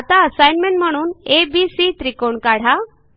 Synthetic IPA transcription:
at̪aəsajnmeɳʈm̤əɽ̃uːnebisit̪ɾikoɳkaɽ̤a

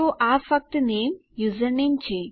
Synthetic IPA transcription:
oʔafək̚t̪neːmjuzəɾnẽnt͡ɕe

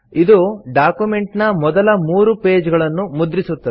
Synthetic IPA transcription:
id̪uɖaːkjume̞ɳʈnɐmɔd̪ɐlɐmuːɾupe̞ːd͡ʒɡɐɭɐnːumud̪ɾisut̪ːɐɛ

